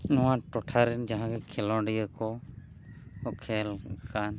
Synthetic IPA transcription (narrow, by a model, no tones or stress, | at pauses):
nɔwaʈɔʈʰaɾɛnd͡ʒaɦãɡɛkʰɛlɔ̃ɖijəkɔ | ɔkʰɛlkan